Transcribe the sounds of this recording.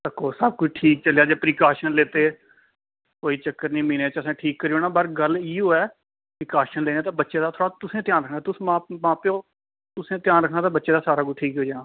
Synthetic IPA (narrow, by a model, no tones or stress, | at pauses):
t̪əkːoːsəb̚kʊt͡ʃʈʰiːk̚t͡ʃəlejaːd͡ʒeːpɾiːkaːʃənleːt̪eː | koːiːt͡ʃəkːəɾnĩːmĩːneːt͡ʃəsãːʈʰiːkːəɾiːɦoːnaːbəɾɡəliːɦoːɛː | pɾɪːkaːʃənleːneːt̪ãːbətːʃeːd̪aːt̪ʰoːɽaːt̪ʊsẽːt̪jaːnɾəkʰnaːt̪ʊsmãːmãːpjoː | t̪ʊsẽːt̪jaːnɾəkʰnaːt̪ãːbətːʃeːd̪aːsaːɾaːkʊʈʰiːkɦoːd͡ʒaːnaː